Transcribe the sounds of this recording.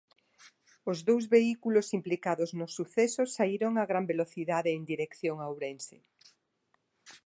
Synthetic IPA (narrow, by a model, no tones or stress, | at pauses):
ozðowzβeikulosimplikaðoznosːuθesosaiɾoŋaɣɾambeloθiðaðeːnd̪iɾekθjoŋawɾensɪ̰